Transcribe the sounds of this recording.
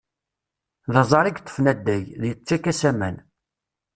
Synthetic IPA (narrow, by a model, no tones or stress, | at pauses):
ðəzˤɑɾˤiɡt̪ˤːə̥fnæd̪ːæjðjət͡sːækæsæmæn